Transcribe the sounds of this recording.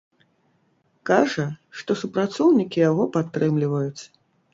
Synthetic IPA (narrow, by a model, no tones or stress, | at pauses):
kaʐɐʂt̪ɔsupɾat̪sɔwnʲikʲijaɣɔpat̪ːɾɨmlʲivɐjut̪sɐ̥